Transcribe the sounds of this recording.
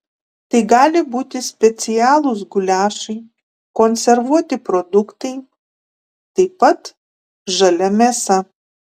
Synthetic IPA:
t̪ɐɪɡɑːlʲɪbuːt̪ʲɪsʲpʲɛt̪sʲɪjæːlˠʊsɡʊlʲæːʃɐɪ | konʲsʲɛɾʋuɔt̪ʲɪpɾod̪ʊkt̪ɐɪ | t̪ɐɪpɐt̪ | ʒɐlʲɛmʲeːsɐ

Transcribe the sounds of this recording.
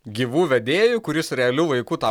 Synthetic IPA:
ɡʲiːʋuːʋʲɛd̪ʲeːjʊkʊɾʲɪsɾʲɛɐlʲuʋɐɪkuːt̪ɑ

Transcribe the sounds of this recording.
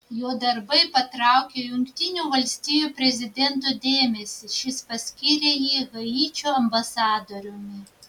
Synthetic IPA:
joːd̪ɐɾbɐɪpɐt̪ɾɑˑʊkʲeːjʊŋʲkt̪ʲɪnʲuːʋɐlʲsʲt̪ʲɪjuːpʲɾʲɛzʲɪd̪ʲɛnˑt̪̬od̪ʲeːmʲɛsʲɪʃʲɪspɐsʲkʲiɾʲeːjiːɣɐjiːt͡ʃʲoːɐmbɐsɑːd̪oːɾʲʊmʲɪ

